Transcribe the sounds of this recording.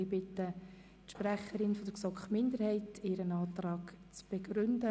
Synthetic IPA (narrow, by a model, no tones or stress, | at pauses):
ibɪtːə | tʃpræχəɾɪnfɔd̥əɾksɔkχmɪndəɾhɛɪtɪɾənɑːt̪rɑːɡt͡sb̥eɡɾʏndə